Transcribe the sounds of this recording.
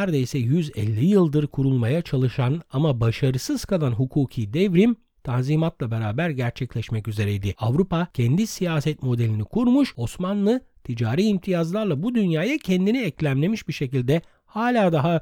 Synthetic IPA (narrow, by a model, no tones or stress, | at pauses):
ɾd̪ejsɛjyzɛ̰lʲːijɯlˠd̪ɯɾkʰuɾulˠmajat͡ʃʰalˠɯʃanamabaʃaɾɯsɯz̥kʰalˠanɦukʰuːcʰiːd̪ɛvɾim | t̪ʰanziːmat̪lˠabe̞ɾaːbæɾɟæɾt͡ʃʰɛclʲɛʃmɛcyze̞ɾɛjd̪ɪavɾupacʰɛnd̪isijaːsɛt̪mo̞d̪elʲinikʰuɾmuʃo̞smanlˠɯt̪ʰid͡ʒaːɾiːimt̪ʰijazlˠaɾlˠabud̪ynjaːjacʰɛnd̪iniɛclʲæmlʲe̞miʃbiɾʃe̞cilʲd̪ɛ | haːlʲaːd̪aɦa